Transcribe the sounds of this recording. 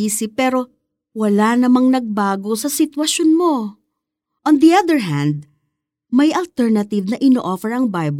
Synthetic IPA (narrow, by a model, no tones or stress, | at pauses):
iːsɪpɛɾo̞ | wɐlanɐmɐŋnɐɡ̚baːɡo̞sɐsɪt̪wɐʃonmo̞ | ʔɔ̃nd̪iɐd̪ɛɹɦæ̃nd̪̚ | mɐjʔɐlt̪ɛɹnɐt̪ɪvnɐʔɪnoːʔofɛɹɐŋbajb